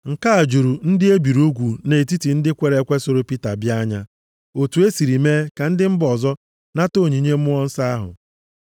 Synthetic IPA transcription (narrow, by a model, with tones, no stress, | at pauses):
ŋ̩˨ka˦a˨d͡ʒu˨ɾu˨n̩˦dɪ˦e˦bi˨ɾo˦ɡʷu˨ne˨ti˦ti˨n̩˦dɪ˦kʷe˨ɾe˨kʷe˦so˨ɾo˨pi˦ta̰˨bja˦ɲa˦ | o˨tu˨˦e˦si˨ɾi˨meː˦ka˨n̩˦dɪ˦m̩˦bɔ˨zɔ˦ | na˦to˦˨ɲi˨ɲe˦m̩˦ʊ˦ɔ˦n̩˦sa˦ɦʊ̰˨